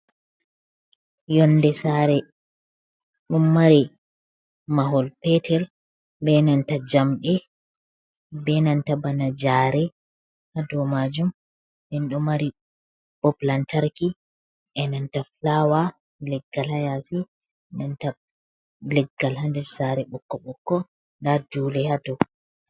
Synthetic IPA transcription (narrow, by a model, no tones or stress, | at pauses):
jɔndɛsaɾɛ | ɗɔmːaɾi | maɦɔlpɛtʰɛɾ | bɛnantad͡ʒamɗɛ | bɛnantabanad͡ʒaːɾɛ | hadɔmad͡ʒum | bɛnɗɔmaɾi | b̥ɔplantaɾki | ʔɛnantaflawa | lɛɡːalhajasi | nanta | lɛɡːalhandɛɾsaɾɛɓɔkːɔɓɔkːɔ | ndadulɛhadɔ